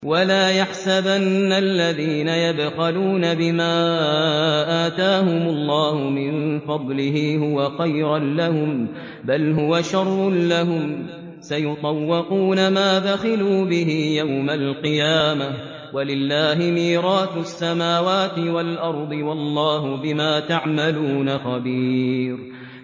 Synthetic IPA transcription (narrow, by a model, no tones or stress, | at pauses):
walaːjaħsabanːalːaðiːnajad̪xaluːnabɪmaː | ʔaːt̪aːɦʊmʊlːɑːhʊmɪnfɑd̪ˤlɪɦiːɦʊwaxajɾanlahʊm | balɦʊwaʃɑrˤːʊlaɦʊm | sajʊt̪ˤɑwːɪquːnamaːd̪axɪluːbɪɦiːjawmalqɨjaːma | walɪlːaːɦɪmiːɾɑːt̪sːamaːwaːt̪ɪwalʔɑɾˤd̪ˤɨwɑlˤːɑːɦʊbɪmaːt̪aʕmaluːnaxabiːɾ